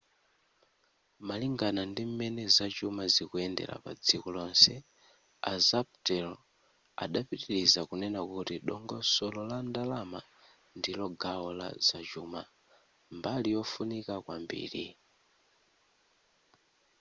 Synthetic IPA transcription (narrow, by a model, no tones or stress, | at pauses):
maliŋɡanandim̩mɛnɛzat͡ʃumazikuɛndɛ̰ɾa̰pa̰d͡zikɔlɔnsɛ | a̰zaptɛl | a̰ɗapitiɾizakunɛnakutiɗɔŋɡɔsɔlɔlandalama | ndilɔɡaɔla̰zat͡ʃuːma | mbalijɔfunikakwa̰mbḭːɾi